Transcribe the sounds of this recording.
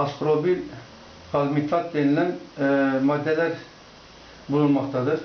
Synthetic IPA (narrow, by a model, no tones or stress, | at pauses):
ɑsqɾobin | χɑlmit̪ʰlˠɑt̪̚d̪enɪlɛnmɑd̪ːɛlæɾ | bolˠunmɑχt̪ʰɑd̪ɨɾ